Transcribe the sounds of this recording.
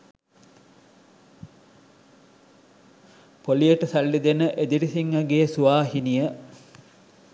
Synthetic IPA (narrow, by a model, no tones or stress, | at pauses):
polijəʈəsalːid̪enəʔed̪iɾisiŋʋɐɡesuʋaːɦinijə